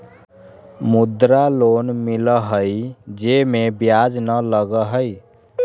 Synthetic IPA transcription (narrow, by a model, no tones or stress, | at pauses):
mud̪ɾalonmiləɦəjd͡ʒemebjad͡ʒnələɡəɦəj